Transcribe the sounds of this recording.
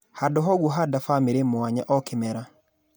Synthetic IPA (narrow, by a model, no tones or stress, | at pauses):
hadɔɦɔɣuɦadafamɪɾemwaɲaʔɔkɪmɛɾa